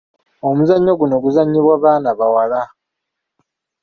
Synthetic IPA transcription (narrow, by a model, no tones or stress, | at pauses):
o̞muzaɲːo̞ɡuno̞ɡuzaɲːiβwaːβaːnaβawala